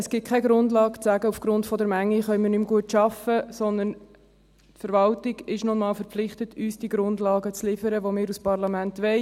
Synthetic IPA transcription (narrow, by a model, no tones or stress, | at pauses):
əsɡ̥ɪt̚kʰɛɡɾʊndlɑːkt͡sæɡəufɡ̥ɾʊntfɔd̪əɾmæŋːiχœʏmɪːɾnʏmɡuətʃɑfəsɔnd̪ən | tfəɾʋɑltiɡɪʃnɔnmɑːlfəɾpflɪχtətʰyːsd̥iəɡɾʊndlɑːɡət͡slɪfəɾəʋomɪːɾuspɑʁlɑmæntʋɛɪ